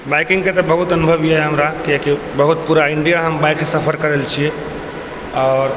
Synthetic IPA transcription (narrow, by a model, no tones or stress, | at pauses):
bajkiŋɡket̪ɔbəɦut̪ənubʱəbjeɦɛɦəmɾakieki | bəɦut̪̚puɾaiɳɖijaɦəmbajkːesəpʰəɾkəɾelt͡ʃʰije | aɾ